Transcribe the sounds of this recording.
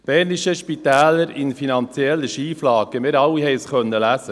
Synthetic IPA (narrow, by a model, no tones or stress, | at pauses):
b̥ɛːɾniʃəʃpit̪æːləɾɪnfinɑnt͡sjɛlːəʃiːflɑːɡəmɪːɾɑwihɛɪsχœnːəlæsə